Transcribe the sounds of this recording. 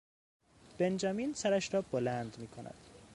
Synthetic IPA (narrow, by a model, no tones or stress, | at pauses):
b̥e̞nd͡ʒɒːmiːnsæɾæʃɾɒːb̥olænd̪miːkʰonʔæ̰d̪̥